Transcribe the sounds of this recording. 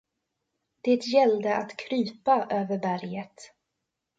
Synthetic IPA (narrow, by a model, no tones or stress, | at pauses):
d̪̥ɛt̪jɛld̪əʔat̪kʰɾyːpaʔøːvəɾbæɾjət̪